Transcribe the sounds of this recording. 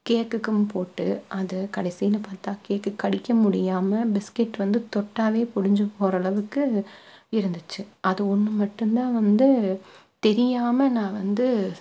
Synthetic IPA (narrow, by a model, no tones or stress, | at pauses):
keːkːɯkːɯmpoːʈːɯʔɐðɯkɐɽɐɪsɪjɪlɐpaːɾt̪ãːkeːkːɯkːɐɽɪkːɐmʊɽɪjaːmɐbɪskɪʈːʋɐnd̪ɯt̪ɔʈːaːʋeːpʊɽɪɲd͡ʒɯpɔɾɐɐɭɐʋɯkːɯ | ɪɾɯnd̪ɯt͡ʃːɯʔɐðɯɔnːɯmɐʈːɯnt̪ãːʋɐnd̪ɯ | t̪ɛɾɪjaːmɐnãːʋɐnd̪ɯ